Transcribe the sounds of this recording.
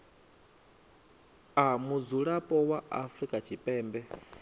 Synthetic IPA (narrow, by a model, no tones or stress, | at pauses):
amud͡zuɺapʼɔwaʔafɾikʼat͡ʃʰipʼɛːmbɛ